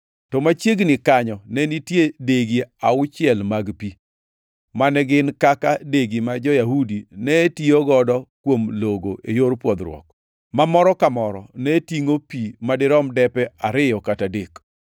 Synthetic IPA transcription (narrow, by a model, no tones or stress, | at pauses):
tɔmat͡ʃjeɡnɪkaɲɔnɛnitjedeɡiaʊt͡ʃɪɛlmaɡpi | manɛɡɪnkakadeɡimad͡ʒɔjaɦudinɛtioɡɔdɔkwomloɡoʔejoɾpwɔd̪ɾwɔ̰k̚ | mamɔɾɔkamɔɾɔ̰nɛtiŋopimadɪɾɔmdɛpɛaɾɪjɔkatadek